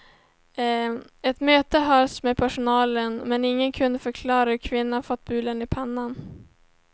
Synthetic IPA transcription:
ɛt̪møːt̪əɦɑːɾsmeːpʰæʂʊnɑːlənmɛnɪŋːənkʰɵnd̪əfœɾkʰlɑːɾahɵɾkʰvɪnːafɔt̪ːb̥ʉ̟ːlənɪpʰanːan

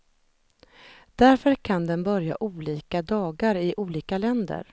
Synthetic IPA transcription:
d̪̥æɾfœɾkʰand̪ɛnbœɾja̰ʔuːliːkad̪ɑːɡaɾɪʔuːliːkalɛnd̪ə̰ɾ

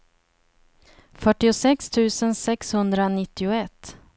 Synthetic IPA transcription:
fœʈːɪʊsɛkst̪ʰʉ̟ːsənsɛkshɵnd̪ɾanɪt̪ːɪʊɛt̪ː

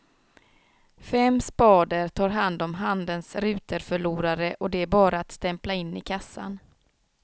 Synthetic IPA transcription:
fɛmːspɑːd̪əɾt̪ʰɑːɾɦand̪ɔmɦand̪ənsɾʉ̟ːt̪ʰəɾfœɭuːɾaɾəʔɔd̪ɛæɾbɑːɾaːt̪st̪ɛmplaɪnːɪkʰasːa̰n

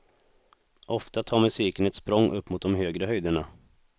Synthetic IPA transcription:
ʔɔft̪at̪ʰɑːɾmɵsiːkənɛt̪spɾɔŋːʔɵpːmʊːt̪̚d̪ɔmɦøːɡɾəɦœjd̪əɳa

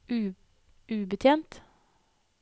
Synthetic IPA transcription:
ʉ | ʉːbət̪ʰjeːnt̪

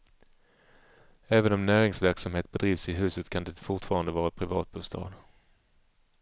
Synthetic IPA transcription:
æːvənɔmnæːɾɪŋsvæɾksamheːt̪̚bɛd̪ɾiːvsɪɦʉ̟ːsət̪kʰand̪ɛfʊʈfɑːɾand̪əvɑːɾapʰɾɪvɑːt̪̚buːst̪ʰɑ̰ːd̪

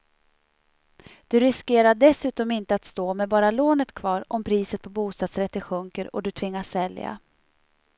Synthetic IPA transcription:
d̪̥ɵɾɪskeːɾaɖɛsʉ̟ːt̪ɔmɪnt̪əat̪st̪oːmɛbɑːɾaloːnət̪kʰvɑːɾɔmpʰɾiːsət̪̚pʰɔbuːst̪ɑːd̪sɾɛt̪ːəɧɵŋkəɾɔ̰d̪ɵt̪ʰv̥ɪŋːasːɛlja̰

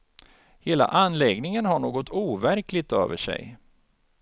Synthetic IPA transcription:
heːla̰ʔanlɛɡnɪŋənɦaɳoːɡɔt̪ʰuːvæɾklɪɡt̪ø̰ːvəʂɛ̰j

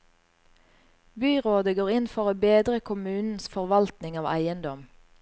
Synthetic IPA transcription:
byːʁoːd̪əɡoːʁɪnfɔʁəbeːd̪ʁəkʰʊmʉːnn̩sfɔʁʋɑlt̪nɪŋɑːʋʔæ̰ɪənd̪ɔm

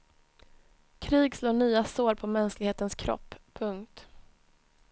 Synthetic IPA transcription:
kʰɾiːɡsloːɳyːasoːɾpʰɔmɛnsklɪɡheːt̪ənskʰɾɔ̰pːpʰɵŋkt̪

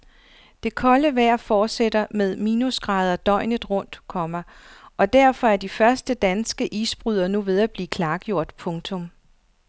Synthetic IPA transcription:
d̥e̝kʰɒ̽ləʋæɐ̰fɒːd̥sed̥ɐmeð̞ˠmiːnusɡ̥ʁɑ̈ːð̞ˠɐd̥ɒ̽ɪ̰nəð̩ˠʁɔ̽n̰d̥kʰɒ̽mɐʔɒ̽d̥æɐ̰fɒ̽æɐd̥ifɶɐsd̥əd̥ænsɡ̥əʔḭːsb̥ʁyð̰ˠɐnuʋe̝ð̞ˠæb̥liːkʰlɑ̈ːɡ̥jo̝ɐ̰d̥pʰɔ̽ŋt͡sʰɔ̽m

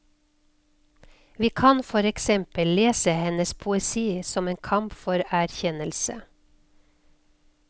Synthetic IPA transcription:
ʋiːkʰɑnfɔɾɛksɛmpəlleːsəhɛnəspʰʊɛsiːsɔmeːŋkʰɑmpfɔɾæɾçɛnəlsə̰

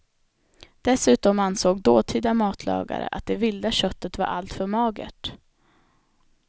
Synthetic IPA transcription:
d̪̥ɛsʉ̟ːt̪ɔmansoːɡd̪oːt̪ʰiːd̪amɑːt̪ʰlɑ̰ːɡa̰ɾə̰ʔat̪̚d̪ɛvɪld̪aɕœt̪ːət̪va̰ɾʔa̰lt̪fœɾmɑːɡə̰ʈ

